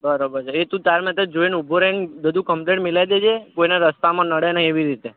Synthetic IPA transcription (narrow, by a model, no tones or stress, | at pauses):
bəɾobəɾt͡ʃʰeet̪ũt̪aɾmɛt̪əd͡ʒoinubʱoɾenbəd̪ʱũkəmpleʈmilajd̪ed͡ʒʰekoinaɾəst̪amãnəɽenaieʋiɾit̪e